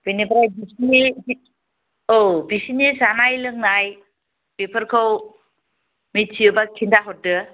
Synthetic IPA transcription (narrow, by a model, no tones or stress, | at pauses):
bɯnibaɾajbisnibi | obisinisanajlɯŋnaj | pepʰəɾkʰaw | mit͡ʃʰiɯbakʰindaɦɔtːɯ